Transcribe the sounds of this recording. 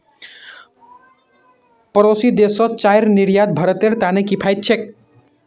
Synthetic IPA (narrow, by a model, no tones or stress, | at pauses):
pəɾosid̪esʌ̃t͡ʃajɾniɾjad̪̚bʱʌɾət̪eɾt̪anekipʰajt̪̚t͡ʃʰek̚